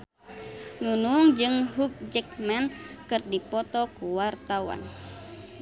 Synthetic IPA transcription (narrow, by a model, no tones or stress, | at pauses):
nunuŋd͡ʒɨŋɦuk̚d͡ʒək̚mankɨrdipɔt̪ɔkuwart̪awa̰n